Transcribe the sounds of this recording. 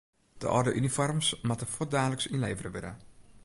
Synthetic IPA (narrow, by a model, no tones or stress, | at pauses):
d̥ə̰ʔɔdəʔynifɔrmsmatəfɔt̚daːləksinleːvərəʋɪnə̰